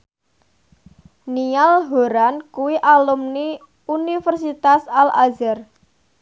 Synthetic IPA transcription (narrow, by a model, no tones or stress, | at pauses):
nialɦoɾankuwiʔalumni | unifərsit̪asalazɛr